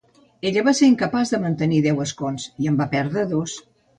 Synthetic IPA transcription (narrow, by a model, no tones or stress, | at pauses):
eʎəβaseɾiŋkəpazðəmənt̪əniðɛwəskonsiəmbapɛɾðɾəðos